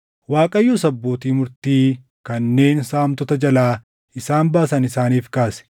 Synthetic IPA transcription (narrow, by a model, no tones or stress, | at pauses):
waːkʼɐjːuːsɐbːo̞ːt̪iːmʊɾt̪iː | kɐnːe̞ːnsaːmt̪ɔt̪ɐd͡ʒɐlaː | ɪsaːmbaːsɐnɪsaːniːfkaːsɛ̥